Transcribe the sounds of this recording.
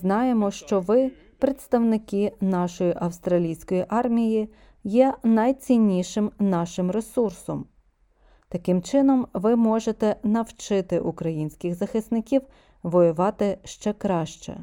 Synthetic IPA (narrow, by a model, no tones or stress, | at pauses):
znɑjemɔʃt͡ʃɔʋɪ | pɾet̪st̪ɐwnɪkɪn̪ɑʃɔjiʔɐwst̪ɾɐlʲijsʲkɔjiʔɑrmʲiji | jɛnɐjt͡sʲinʲːiʃɪmnɑʃɪmɾe̞sursɔm | t̪ɐkɪmt͡ʃɪnɔmʋɪmɔʒet̪ɛn̪ɐwt͡ʃɪt̪ɪʔukɾɐjinʲsʲkʲɪxzɐxɪsnɪkʲiw | ʋɔjʊʋɑt̪ɪʃt͡ʃɛkɾɑʃt͡ʃɛ̰